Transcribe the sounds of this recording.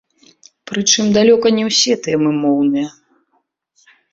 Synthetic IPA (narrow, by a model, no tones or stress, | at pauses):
pɾɨt͡ʂɨmd̪alʲɔkɐnʲɛwsʲɛt̪jɛmɨmɔwnɨjɐ